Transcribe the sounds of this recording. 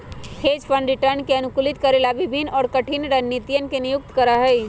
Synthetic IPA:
hʰeːd͡ʒpənɖɾɪʈəɾnkeənukulit̪kəɾelabibʱinːɔːɾkəʈʰinɾənːit̪ijənkenijʊk̚t̪kəɾəɦəj

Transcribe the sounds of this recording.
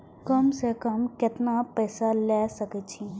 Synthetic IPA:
kəmsekəmkɪt̪napɛːsalɛːsəket͡ʃʰiɦ

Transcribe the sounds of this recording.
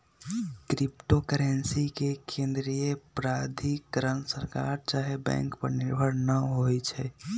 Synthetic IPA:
kɾipʈokəɾensikekẽnd̪ɾijəpɾad̪ʱikəɾənsəɾkaɾt͡ʃaːɦebɛ̰̃ŋkpə̰ɾniɾbʱəɾnəɦojt͡ʃʰɛ

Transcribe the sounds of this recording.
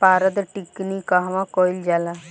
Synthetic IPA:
paɾəd̪ʈiknikaɦʋãkɔjld͡ʑala

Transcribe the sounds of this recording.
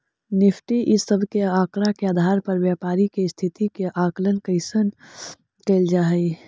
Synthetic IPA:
nɪfʰʈiʔɪsːəbʱkeaːkɾakeaːd̪ʱaːɾpɐɾʋjaːpaːɾikest̪ʰɪt̪ikeʔaːkələnkəɪsən | keːld͡ʒaːɦəi

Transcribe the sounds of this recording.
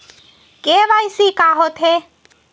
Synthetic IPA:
keʋajsikaɦot̪ʰe

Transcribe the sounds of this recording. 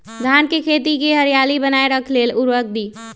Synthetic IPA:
ɡ̪ʱankekʰet̪̬ikeɦəɾijalibənaeɾəkʰleluɾʋək̚ʰd̪iː

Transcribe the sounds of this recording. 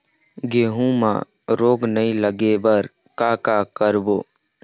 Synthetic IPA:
ɡeːɦũmã̰ | ɾoːɡnəĩləɡebəɾ | kaːkaːkəɾboː

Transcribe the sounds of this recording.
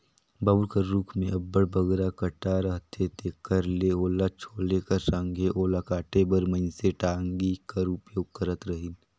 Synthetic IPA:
bɐbuɾkəɾɾuːkʰmẽɐbːəɽbəɡɾakəʈaɾəɦt̪ʰet̪eːkəɾleoːlat͡ʃʰoːlekɐɾsãŋɡʱeʔoːlakaːʈebəɾməɪnseʈaːŋɡikaɾupjoːɡ̚kəɾət̪ɾəɦɪn

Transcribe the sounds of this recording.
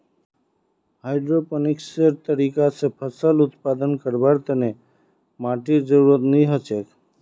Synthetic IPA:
haːɪɖɾopənɪksəɾt̪əɾiːkasepʰəsəlʊt̪paːd̪ənkəɾbaɾt̪əne | maːʈid͡ʒəɾuɾət̪niɦət͡ʃek

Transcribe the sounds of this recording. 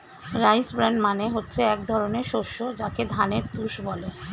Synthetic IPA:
ɾajsbɾaɳɖmaneɦotːɕʰeɛk̚d̪ʱɔɾoneɾʃoʃːod͡ʑaked̪ʱaneɾt̪uʃbɔle

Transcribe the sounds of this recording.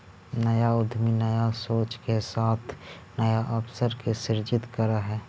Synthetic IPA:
nəjaʊd̪ʱminəjasoːt͡ʃkesaːt̪ʰ | nəjaʔəpsəɾkesɪɾd͡ʒɪt̪kəɾaɦɛː

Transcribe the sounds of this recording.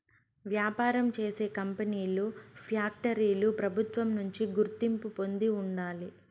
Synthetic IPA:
ʋjaːpaːɾɐmt͡ʃeːse̞ːkɐmpɐniːlupʰjaːk̚ʈɐɾiːlupɾɐbʱut̪ʋɐmnuɲt͡ʃiɡuɾt̪impupo̞nd̪iuɳɖaːli

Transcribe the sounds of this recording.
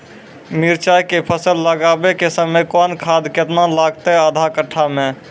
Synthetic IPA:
miɾt͡ʃajkepʰəsəlːəɡabekesəməjkɔnkʰad̪ket̪nalaɡt̪ɛəd̪ʱakəʈʰːame

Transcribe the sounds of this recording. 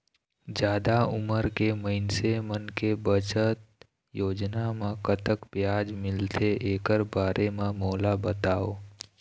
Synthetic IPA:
d͡ʒjaːd̪aʊməɾkeməɪnsemənkebət͡ʃət̪̚ | joːd͡ʒnamãkət̪əkbjaːd͡ʒmɪlt̪ʰeeːkəɾbaːɾʔemãmoːlabət̪aːoː

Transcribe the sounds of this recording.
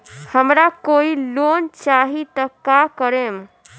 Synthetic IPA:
həmɾakoilont͡ʃaɦit̪əkakəɾem

